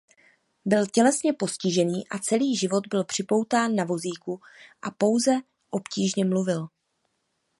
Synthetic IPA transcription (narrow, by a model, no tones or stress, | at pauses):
bɪlcɛlɛsɲɛpo̞scɪʒɛniːʔat͡sɛliːʒɪvo̞d̪bɪlpr̥ɪpo̞wt̪aːnːavo̞ziːku | ʔapo̞wzɛ | ʔo̞pciːʒɲɛmluvɪl